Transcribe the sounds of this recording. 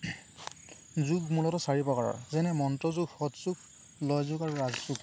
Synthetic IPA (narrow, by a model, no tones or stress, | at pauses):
zuɡmulɔtɔsaɹibɔkaɹa̰ɹzɛnɛmɔntɔzuɡxɔtzuɡ | lɔjzʊɡaɹːazzuɡ